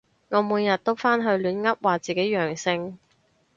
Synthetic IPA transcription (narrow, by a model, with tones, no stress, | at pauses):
ŋɔː˨˧muː˨˧njɐ˨t̚t̪o˥wfaː˥nɦɵ˧ɥlyː˨˧nŋɐ˥p̚waː˨t͡siː˨ke˨˥jɥœː˨˩ŋsɪ˧ŋ